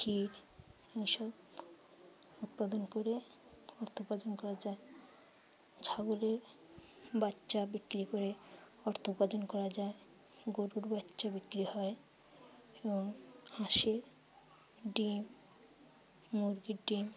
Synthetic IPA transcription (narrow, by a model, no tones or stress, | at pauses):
kʰiɾ | ejʃɔb | ut̪̚pad̪onkoɾe | ɔɾt̪ʰopad͡ʑonkɔɾad͡ʑae | d͡ʑʰʱaɡoleɾ | batːʃabikːɾikoɾe | ɔɾt̪ʰopad͡ʑonkɔɾad͡ʑae | ɡoɾuɾbatːʃabikːɾihɔe | eboŋhãʃeɾ | ɖim | uɾɡiɾɖim